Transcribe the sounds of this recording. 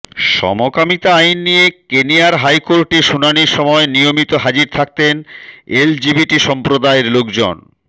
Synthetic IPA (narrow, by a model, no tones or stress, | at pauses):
ʃɔ̰mokamit̪aajnːijekenijaɾɦajkoɾʈeɾʃunaniɾʃɔmɔenijomit̪oɦad͡ʑiɾt̪ʰak̚t̪eneld͡ʑibiʈiʃɔmpɾod̪aeɾlokd͡ʑo̰n